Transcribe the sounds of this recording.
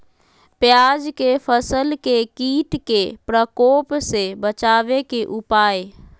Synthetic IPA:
pjad͡ʒkepʰəsəlkekiːʈkepɾəkɔːpsebət͡ʃaːʋekeʔʊpaːe

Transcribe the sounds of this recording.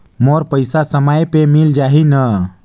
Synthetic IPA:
moɾpəjsasəməjpemild͡ʒaɦinə

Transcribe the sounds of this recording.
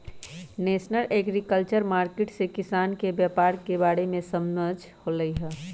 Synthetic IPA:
neːsnəlʔeːɡɾikəlt͡ʃəɾmaːɾkeʈsekɪsaːnkebjəpaːɾkebaːɽemẽsəmnəd͡ʒ | hoːləiɦɛː

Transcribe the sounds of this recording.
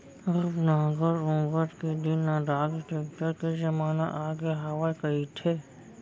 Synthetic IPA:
ɾbnaːɡəɾõːɡəʈked̪ɪnːaɖaːɡiʈeːkʈəɾked͡ʒɐmaːna̰ʔaːɡeɦɐʋakɐit̪ʰeː

